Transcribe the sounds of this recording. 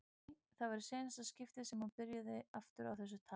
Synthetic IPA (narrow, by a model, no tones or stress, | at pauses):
θaðvaɾʏ̥seːnasascɪft̪ɪsɛmhunpɪɾjaðɪaft̪ʏɾawθɛs̬ːʏt̪ʰa